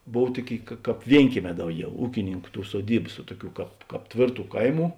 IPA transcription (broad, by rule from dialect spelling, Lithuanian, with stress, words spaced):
ˈboːw ˈtuɔˌkʲeːɪ kɐ ˈkɑːp ˈʋʲiɛŋʲkʲiɛˌmʲɛː ˈdɐʊˌɡʲɛʊ ˈuːkʲɪnʲɪŋˌkʊ ˈtuː suɔˈdʲiːbɐs ʋuɔ ˈtʊˌkʲuː ˈkɑːp ˈkɑːp ˈtʲʋʲeːrˌtuː ˈkɐɪˌmuː